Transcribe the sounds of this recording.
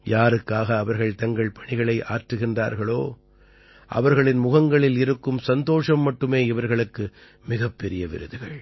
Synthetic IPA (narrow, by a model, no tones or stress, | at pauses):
jaːɾɯkːaːɣɐːʋɐɾɣɐɭt̪ɐŋɡɐɭpɐɳɪɣɐɭɐɪʔa̰ːɾʈrɯɣɪndra̰ːɾɣɐɭoː | ʔɐ̰ʋɐɾɣɐɭɪnmʊɣɐŋɡɐɭɪlɪɾɯkːɯmsɐnd̪oːʂɐmːɐʈːɯmeːɪʋɐɾɣɐɭɯkːɯ | mɪɣɐpːɛɾɪjɐʋɪ̰ɾɯ̰ðɯɣɐɭ